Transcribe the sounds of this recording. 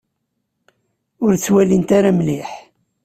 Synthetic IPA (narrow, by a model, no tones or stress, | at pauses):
ʊɾt͡sːwælint̪aɾamliħ